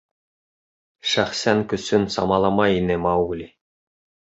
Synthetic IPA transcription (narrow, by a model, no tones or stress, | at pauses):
ʃæχsæŋkɵ̆sɵnsɑ̰mɑlˠɑmɑjinɘmɑwlʲi